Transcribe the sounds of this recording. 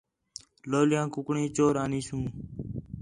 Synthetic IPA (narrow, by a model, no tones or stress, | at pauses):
loːlɪjãːkʊkɳĩːt͡ʃoːɾaːniːsũː